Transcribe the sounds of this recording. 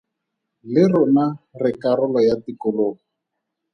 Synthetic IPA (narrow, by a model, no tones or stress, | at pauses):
lɪrʊnarɪkaɾʊlɔjatikʊloːŋɔ